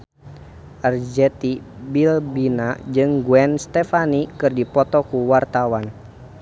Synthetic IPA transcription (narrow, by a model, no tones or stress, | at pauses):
ʔɛrd͡ʒɛt̪ibilbinad͡ʒɨŋɡuɛnst̪ɛfanikɨrdipɔt̪ɔkuwart̪awan